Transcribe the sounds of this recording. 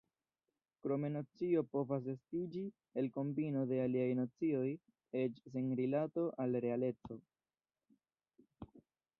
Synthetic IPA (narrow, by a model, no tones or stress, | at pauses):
kɾo̞me̞not͡sio̞po̞vas̬e̞stid͡ʒi | e̞lko̞mbino̞de̞aliajnot͡sio̞j | e̞t͡ʃs̬enɾilato̞ʔalɾe̞ale̞t͡so̞